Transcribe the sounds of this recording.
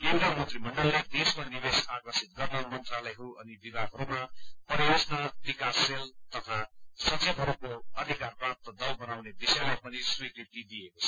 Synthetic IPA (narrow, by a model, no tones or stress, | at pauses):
jewʈamʌnt̪rimʌɳɖʌlːed̪esmanibesakʌsit̪̚ɡʌrnʌmʌnt̪ralʌjɦʌɾuʔʌnibibaɡɦʌɾumapʌɾiesnʌbikasːelt̪ʌt̪ʰasʌt͡sebɦʌɾukoʌd̪ʱikarpat̪̚ʌd̪ʌwbʌnawnebisʌjmapʌniswit̪iʈ̪id̪ijekot͡sʰʌ̥